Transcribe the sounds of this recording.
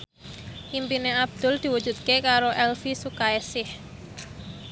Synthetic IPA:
ʔimpineab̚d̪̥ʊ̤ld̪̥i̤wu̥d͡ʒ̥ṳt̪̚kekaɾoʔɛlfisukaesɪh

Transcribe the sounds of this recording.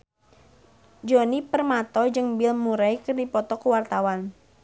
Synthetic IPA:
d͡ʒonipərmat̪ɔd͡ʒɨŋbilmuɾaikɨrdipɔt̪ɔkəwart̪awan

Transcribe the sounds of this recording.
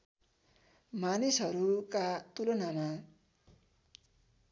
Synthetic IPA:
manisɦʌɾukat̪ulonama

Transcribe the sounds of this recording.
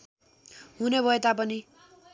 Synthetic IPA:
ɦunebʱʌet̪ap̬ʌni

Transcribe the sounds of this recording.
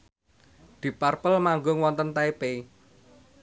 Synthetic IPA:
d̪̥i̤parpəlmaŋɡʊŋwɔnt̪ənt̪aepe

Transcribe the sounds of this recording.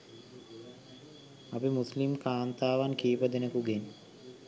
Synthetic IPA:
apimuslimkʰaːnt̪aːʋankiːpəd̪enəkuɡen

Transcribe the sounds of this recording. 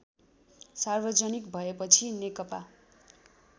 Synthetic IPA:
sarbʱʌd͡zʌnikbʱʌepʌt͡sʰinekʌpa

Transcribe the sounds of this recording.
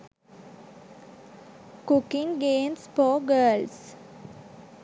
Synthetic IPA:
kʊkɪ̃ŋɡẽːnsfɔːɡəːls

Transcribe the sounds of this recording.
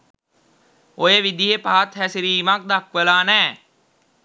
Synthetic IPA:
ojəʋid̪iɦepaɦat̪hæsiɾiːmak̚d̪akʋelaːnæː

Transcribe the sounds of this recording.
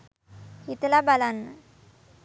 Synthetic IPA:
hit̪labalanː

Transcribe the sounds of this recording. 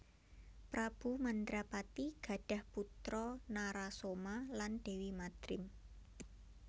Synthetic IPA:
pɾab̥ṳmand̪ɾapat̪iɡ̥ä̤ɖ̥a̤hput̪ɾɔnaɾasomalanɖ̥e̤wimat̪ɾɪm

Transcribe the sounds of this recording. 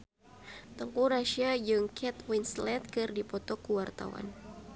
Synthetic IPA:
t̪əŋkuɾaʃiad͡ʒɨŋkʰɛt̪winslɛt̪̚kɨrdipɔt̪ɔkuwart̪a̰wa̰n

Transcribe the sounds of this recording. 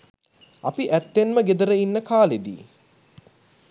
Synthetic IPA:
a̰piʔæt̪ːenməɡed̪əɾəinːəkaːled̪ḭː

